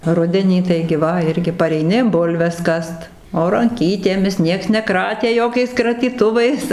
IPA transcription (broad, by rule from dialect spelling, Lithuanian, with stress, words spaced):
ˈrʊdʲɛnʲiː ˈtɐɪɡʲɪ ˈʋɐ ˈɪrʲɡʲɪ pɐrʲɛɪˈnʲɪ ˈbʊlʲʋʲɛs ˈkɐst oː rɐŋʲˈkʲiːtʲeːmʲɪs ˈnʲiɛks nʲɛˈkrɑːtʲeː ˈjoːkʲɛɪs krɐtʲiːˈtʊʋɐɪs